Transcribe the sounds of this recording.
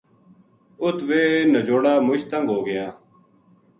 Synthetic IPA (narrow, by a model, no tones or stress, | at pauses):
ʊt̪ʰʋeːnəd͡ʒoːɽaːmʊʃt̪əŋɡɦoːɡɪjãː